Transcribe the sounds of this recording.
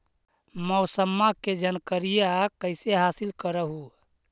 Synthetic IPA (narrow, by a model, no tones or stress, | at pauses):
mɔʊsəmːaked͡ʒənkəɾijeakəɪseɦaːsilkəɾəɦu